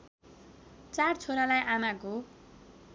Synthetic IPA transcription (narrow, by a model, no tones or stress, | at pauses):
t͡sart͡sʰoɾalajʔanaɡo